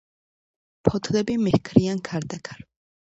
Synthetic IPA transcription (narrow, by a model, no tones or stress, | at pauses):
pʰɔt̪ʰlɛbimɛhkʰɾiankʰaɾd̪akʰaɾ